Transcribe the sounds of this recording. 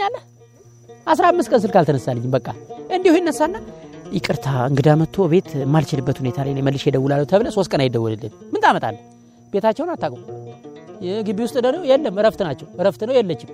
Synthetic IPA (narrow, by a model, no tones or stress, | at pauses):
ɲːalːəh | ʔasɾaamːɨst̪kʼəns̬ɨlkalt̪ʰənəsːalːəɲːɪmbəkʼːaɨnd̪ihujɛnːəsːanːajɪkʼɨɾt̪ʰaɨŋɡɨd̪amət̪ʰːo̞βe̞t̪mːalt͡ʃɪlɨbːət̪hune̞t̪ʰalajnejməlːɨʃjɛd̪əwːulalːəwt̪ʰəβləso̞st̪kʼənajd̪əwːɔlɨlːɨ̰nmːɨnt̪ʰʼamət̪ʼa̰lːə | b̥e̞t̪ʰat͡ʃːɛwnat̪ːakʼm | ɡɨbiwʊst̪ʼɨd̪ənowjɛlːəmɨɾəft̪ɨnat͡ʃːɛwɨɾəft̪ɨnːəwjɛlːət͡ʃːɪm